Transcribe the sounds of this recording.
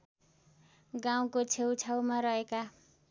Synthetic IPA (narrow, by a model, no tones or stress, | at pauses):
ɡaw̃kot͡sʰewt͡sʰawmaɾʌeka